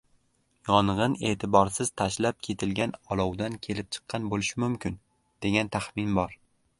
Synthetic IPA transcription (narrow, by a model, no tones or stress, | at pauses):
jɒnʁɨne̞ːt̪ʰɪbɒɾsɪz̥t̪ʰaʃlap̚kʲʰe̞t̪ʰɪlɡʲanɒlˠɒwd̪ankʲʰe̞lɪp̚t͡ʃʰɨ̥qʰːɑnbolɪʃɪmʊmkʲɪn | d̪̥e̞ɡʲant̪ʰaχmɪnbɒɾ